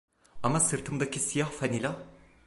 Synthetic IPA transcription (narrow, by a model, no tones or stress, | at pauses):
amasɯɾt̪ʰɯmd̪acʰisijahfanilʲa